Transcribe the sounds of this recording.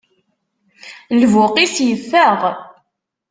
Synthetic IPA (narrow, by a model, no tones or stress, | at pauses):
lvʊqisjəfːəʁ